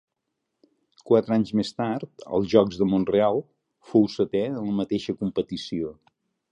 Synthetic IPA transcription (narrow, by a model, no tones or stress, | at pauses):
kwat̪ɾaɲzmest̪aɾt̪ə̰lˠzʒɔkzðəmonrealˠ | fowsət̪ɛənləmət̪eʃəkumpət̪isio